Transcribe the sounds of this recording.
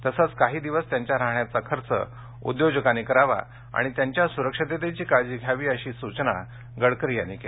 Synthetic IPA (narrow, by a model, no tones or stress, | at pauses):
t̪əsət͡skaɦiːd̪iʋəst̪jaɲt͡ɕjaɾaɦɳjat͡sakʰəɾt͡sə̰ | ṵd̪jod͡ʑəkanekəɾaʋa̰ | a̰ɽ̃it̪jaɲt͡ɕjasuɾəkʂət̪et̪et͡ɕiːkaɭd͡ʑiːɡʱjaʋiːəɕiːsut͡ɕna̰ | ɡəɽkɾijanike